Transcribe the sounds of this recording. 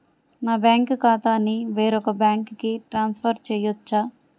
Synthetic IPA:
naːbjaːŋkkaːt̪aːnːiʋeːɾɔkɐbaːŋkkiʈɾaːnspʰɐɾt͡ʃɛːjɔt͡ʃːaː

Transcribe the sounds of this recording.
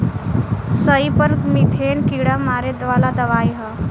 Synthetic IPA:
səipəɾmit̪ʰeːnkiɽamaːɾed̪ʋalad̪əʋaːjɦə

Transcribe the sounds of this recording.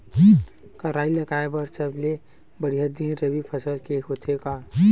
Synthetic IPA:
kəɾailəɡaebəɾsəble | bəɽiɦəd̪ĩɾəbipʰəsəlkeot̪ʰeka

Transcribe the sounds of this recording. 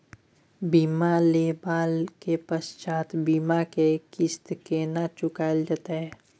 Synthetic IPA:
biːmaleːbaːlkepəst͡ʃaːt̪biːmakekɪst̪kenat͡ʃʊkaːld͡ʒaːt̪eɦɛː

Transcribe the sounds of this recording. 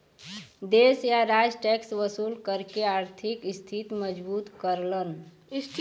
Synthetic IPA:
d̪eːsjaɾad͡ʒʈɛːksʋəsuːlkəɾkeaːɾt̪ʰɪkɪst̪ʰit̪məd͡ʒbuːt̪kəɾlən | st̪ʰ

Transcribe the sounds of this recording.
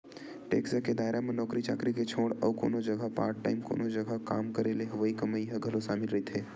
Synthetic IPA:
ʈḛːksəked̪aːɪɾamẽnɔːkɾit͡ʃa̰ːkɾiket͡ʃʰoːɽɔ̰ʋko̰ːnod͡ʒɐɡəpa̰ːɾʈːa̰ːɪmko̰ːnod͡ʒɐɡʱakaːmkɐɾeːleɦʊʋəikɐməiɦəɡʱɐlosaːmɪlɾɐit̪ʰeː

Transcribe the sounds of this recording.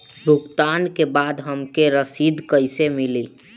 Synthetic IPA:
bʱukt̪aːnkebaːd̪ɦəmkeɾəsid̪kəɪsemɪli

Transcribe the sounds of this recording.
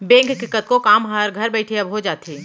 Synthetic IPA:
bẽːŋkkɪkːət̪̚kokaːmɦəɾɡʱɐɾbɛːɪʈʰiɐbɦod͡ʒaːt̪iː

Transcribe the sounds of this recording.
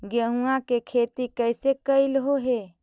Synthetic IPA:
ɡəɦũãkekʰet̪ikəjsekəɪlɦoɦe

